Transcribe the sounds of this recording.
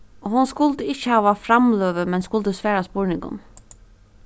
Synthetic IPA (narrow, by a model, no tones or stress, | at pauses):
ɔɦʊnskʊlt̪əɪt͡ʃːəhɑːʋafɾamløːʋəmɛnskʊlt̪əsʋæːɹaspɔːɹnɪŋkʊ̰n